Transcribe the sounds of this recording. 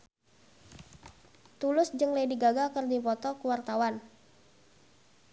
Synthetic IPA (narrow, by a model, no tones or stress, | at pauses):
t̪ulʊsd͡ʒɨŋlejdiɡaɡakərdipɔt̪ɔkuwart̪awan